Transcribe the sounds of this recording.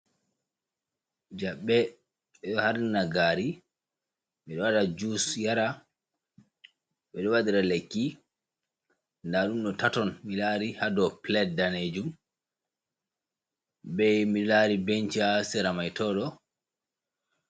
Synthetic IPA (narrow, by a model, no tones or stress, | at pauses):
d͡ʒaɓːɛ | ɓɛɗɔhaɾnaɡaɾi | miɗɔwadad͡ʒusjaɾa | ɓɛɗɔwadiɾalekːi | ndaɗumɗɔtatɔnmilaɾihadɔplɛt̚daned͡ʒum | bɛjmilaɾibent͡ʃiasɛɾamajtɔːɗɔ